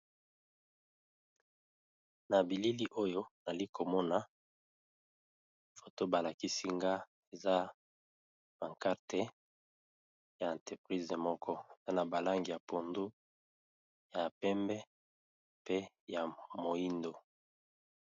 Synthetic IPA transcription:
na˨bi˨li˦li˦ʔo˦jo˦na˨li˦ko˨mɔ˦na˦ | fo˨to˦ba˨la˨ki˦si˦ŋɡa˦ | e˨za˦ | ba˨ka˦ʁte˨ | ja˨ɛ˨nte˨pʁi˦ze˨mɔ˦kʰɔ˦e˨za˦na˨ba˨la˦ŋɡi˨ja˨po˨ndu˦ | ja˨pɛ˦mbɛ˦ | pe˦ | ja˨mo˨i˦ndo˨

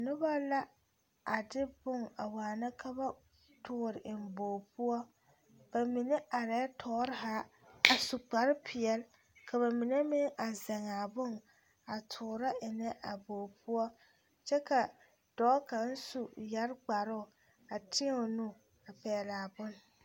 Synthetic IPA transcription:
nʊ˦ba˦la˦ | a˨dɪ˦bʊ˦ŋa̰˨waː˨na˦kʰa˦ba˦ | tʰʊː˦˨ɾɪ˨ʔɪ˨m˨boː˨pu˦ɔ˦ | b̥a˨mɪ˨nɛ˦ʔa˨ɾɛ˦tʰɔː˦ɾɪ˦ɦa˦a˨su˨k͡pa˨ɾɪ˦pʰɪ˨ɛ˨l | ka˨βa˨mɪ˨ne˦mɪ˦n˦ʔa˨za˨ŋa˨bʊ˦˨ŋ | a˨tʰʊː˨ɾa˦ɪ˨nɛ˦ʔa˨boː˨pu˦ɔ˦ | t͡ʃɛ˦ka˨ | d̥ɔ˨˦ka˨˦n̩˦su˨ja˦ɾk͡pa˨ɾʊ˦˨ | a˨tʰɪ˦ʊ˨nu˦ | a˨pɛː˨la˨bʊ˦n˨

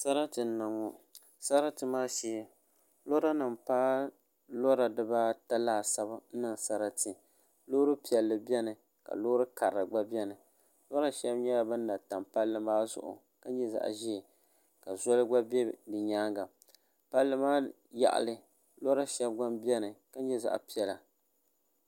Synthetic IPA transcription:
sa˦ɾa˦tɨ˨n˦˨na˨ŋo˨ | sa˦ɾa˦tɨ˨maː˦ʃi˦ɛ˦ | lo˦ɾa˦nɨ˨mpaː˦ | lɔ˦ɾa˨dɨ˦ba˦ta˦laː˦˨sa˦ba˦n̩˦nɨ˦˨ŋ˨sa˦ɾa˦tɨ˨ | loː˦ɾɨ˦pi˨ɛ˨lːɨ˨bɛ˦nɨ˨ | ka̰˨loː˦ɾɨ˦ka˨ɾɨ˨ɡ͡ba˦bʲɛ˦nɨ˨ | lɔ˦ɾa˦ʃɛ˦bɲɛ˦la˨bɨ˦nː˦a˨ta˨mpa˦lːɨ˦maː˦zʊ̰˨ʔʊ̰˨ | ka˦ɲɛ˦za̰˨ʔʒi˦˨ | ka˨zɔ˦lɨ˦ɡ͡ba˦bɛ˦dɨ˨ɲaː˦ŋɡa˨ | pa˦lːɨ˦maː˦ | ja̰˨ʔa̰˨lɨ˦ | lɔ˦ɾa˦ʃɛ˦b̚ɡa˦mbɛ˦nɨ˨ka˦ɲ˦ɲɛ˦za̰˨ʔpi˦ɛ˨la˨

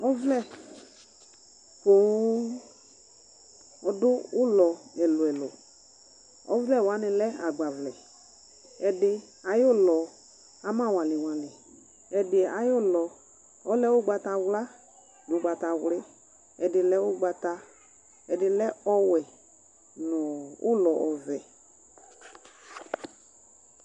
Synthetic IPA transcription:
ɔ˦vlɛ˦˨ | ko˨˦ | ɔ˨dʊ˦ʊ˦lɔ˨ɛ˨lʊ˨ɛ˨lɔ˨ | ɔ̰˦vlɛ˦˨wa˨˦nɪ˨lɛ˦a˨ɡ͡ba˨vlɛ˨ | ɛ˨dɪ˧ | a˨jo˦lɔ˨ | a˦mã˦˨wa˨lɪ˨wa˨lɪ˨ | ɛ˨dɪ˨a˨jo˦˨lɔ˨ | ɔ˦lɛ˦wʊ˦ɡ͡ba˧ta˧wla˦ | nʊ˨˦ɡ͡ba˨ta˨wlɪ˦ | ɛ˨dɪ˨lɛ˦wʊ˦ɡ͡ba˧ta˧ | ɛ˨dɪ˨lɛ˦ɔ˦wɛ˨ | nʊ˨ʊ̰˦lɔ˨ʔɔ˨vɛ˨

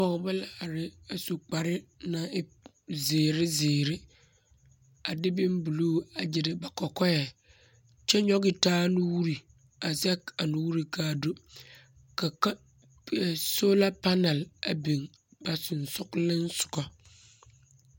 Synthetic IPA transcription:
pɔ˦˨kba˦la˨ɾɪ˦a˨su˨k͡pa˨ɾɪ˦nã˨˦ | zeː˨ɾɪ˦zeː˨ɾɪ˦ | a˨dɪ˦bɪ˦mbu˨luː˦a˨d͡ʒɪ˨dɪ˨ba˨kɔ˨kɔ˦jɛ˨ | t͡ʃɛ˦ɲɔ˦ɡɪ˨taː˦nʊ̃˦wu˦ɾi˨ | a˨zɛ˦ka˨nʊ̃˦wu˦ɾi˨kʰaː˦˨do˦ | ka˨ka˦˨ | soː˦la˦pa˦na˨la˨bi˨ŋ | b̥a˨sʊ˨n˨sʊ˦klɪ̃˦n̩˦sʊ̥˨kɔ˨

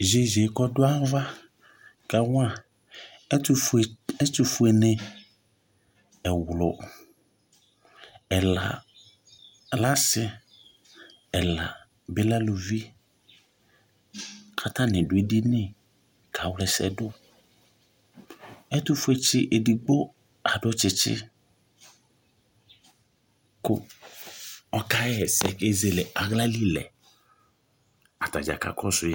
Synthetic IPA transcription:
ʒe˨ʒe˨kɔ˦dʊ˦a˦va˦ | ka˨wa˨˦˨ | ɛ˦tʊ˨fu˨˦ɛ˨nɪ̃˨ | ɛ˨wlɔ˨ | ɛ˨la˨ | la˦sɪ˦ | ɛ˨la̰˨ | bɪ˦la˦lo˨vi˦ | kʰa˦t̪ã˦nɪ̃˨dʊ˨˦e˦di˦nɪ˦˨ | kʰa˨˦wlɛ˨sɛ̰˨dʊ˦ | ɛ˦t̪ʊ˦fe˦t͡ʃɪ˦ʔe˨di˨ɡ͡bo˦ | a˨ɖʊ˦t͡ʃɪ˨˦t͡ʃɪ̰˦ | kʊ̰˦ | ɔ˦ka˦ɛ˦ɛ˨sɛ̰˨ke˦ze˨lɛ˨ʔa˨ɣla˦li˦lɛ̰˨ | a˨t̪a̰˨d͡ʒa̰˨ka̰˨kʰɔ˦sʊ˦ja˦

